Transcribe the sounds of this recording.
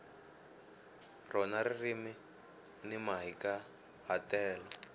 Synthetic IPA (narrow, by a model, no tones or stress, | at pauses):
rɔnaɾirimi | nimaɦika | ɦatɛːlɔ